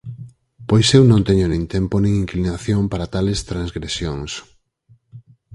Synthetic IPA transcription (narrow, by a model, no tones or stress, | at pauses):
pojsewnõnt̪ɛɲonĩŋt̪emponĩŋiŋklinaθjoŋpaɾat̪alest̪ɾaŋzɣɾesjoŋs